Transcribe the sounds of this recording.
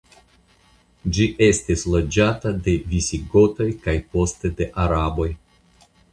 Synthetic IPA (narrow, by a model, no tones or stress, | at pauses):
d͡ʒiʔe̞stislo̞d͡ʒatade̞visiɡo̞to̞jkajpo̞ste̞de̞ʔaɾabo̞j